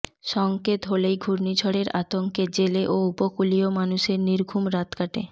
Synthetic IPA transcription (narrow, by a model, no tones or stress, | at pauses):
ʃɔŋket̪ɦolejɡʱuɾnid͡ʑʰʱoɽeɾa̰t̪oŋked͡ʑeleʔoupokuliomanuʃeɾniɾɡʱumɾat̪kaʈḛ